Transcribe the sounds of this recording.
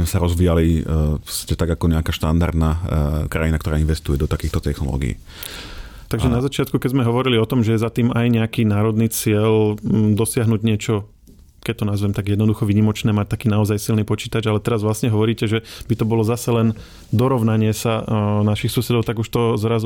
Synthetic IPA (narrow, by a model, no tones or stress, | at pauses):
mɛsaɾɔzʋijaliscɛt̪aɡakɔɲɛakaʃt̪a̰nd̪a̰ɾd̪naːkɾa̰jinakt̪ɔɾaːinʋɛst̪ujɛd̪ɔt̪akiːxt̪ɔt̪ɛxnɔ̰lɔ̰ːɡḭḭ | t̪aɡʒɛnazat͡ʃɪat̪kukɛzmɛɦɔʋɔɾiliɔt̪ɔmʒɛjɛzat̪iːmajɲɛakiːnaːɾɔd̪niːt͡sɪɛld̪ɔsɪaɦnuɟɲɪɛt͡ʃɔ | kɛc̚t̪ɔnazʋɛmt̪aɡjɛd̪nɔd̪uxɔʋiːɲimɔt͡ʃnɛːmac̚t̪akiːnaɔzajsilniːpɔt͡ʃiːt̪ad͡ʒalɛt̪ɛɾazʋlasɲɛɦɔʋɔɾiːcɛʒɛbit̪ɔbɔlɔzasɛlɛn | d̪ɔɾɔʋnaɲɪɛsanaʃixsusɛd̪ɔʊt̪aɡuʃt̪ɔzɾaz